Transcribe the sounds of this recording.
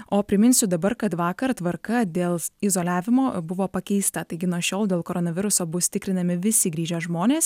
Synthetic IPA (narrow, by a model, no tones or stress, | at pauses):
oːpʲɾʲɪmʲɪnʲsʲʊd̪ɐbɐɾkɐt̪ʋɑːkɐɾt̪ʋɐɾkɐd̪ʲeːlˠɪzoːlʲæːʋʲɪmoːbʊʋoːpɐkʲɛɪst̪ɐt̪ɐɪɡʲɪnuɔʃʲoːlˠd̪ʲeːlˠkoːɾoːnɐʋʲɪɾʊsoːbʊst̪ʲɪkɾʲɪnɐmʲɪʋʲɪsʲɪɡɾʲiːʒʲɛʒmoːnʲeːs